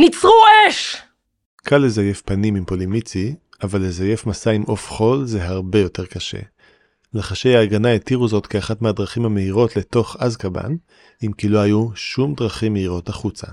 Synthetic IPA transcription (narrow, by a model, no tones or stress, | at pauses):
nit͡sʁueʃ | kʰalːezaje̞fpanimimpo̞limit͡si | avalːezaje̞fmasaimʔo̞fχo̞lze̞ɦaʁbe̞jote̞ʁkaʃe̞̰ | leχaʃe̞jaːɡanaetiʁuzo̞tkeaχatmehadʁaχimhameiʁo̞tle̞to̞χazkaba̰n | imkilo̞hajuʃumdʁaχimːeiʁo̞taχut͡sa